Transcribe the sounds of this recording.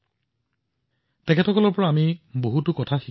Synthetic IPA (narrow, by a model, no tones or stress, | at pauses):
tɛkʰɛtʰɔkɔlɔɹpɔɹaːmiboɦutʊkɔtʰaxi